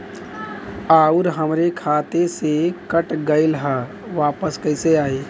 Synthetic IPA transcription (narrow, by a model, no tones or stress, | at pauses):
aːuɾɦəmɾekʰaːt̪esekəʈɡəɪlɦə | ʋaːpəskəɪseaːe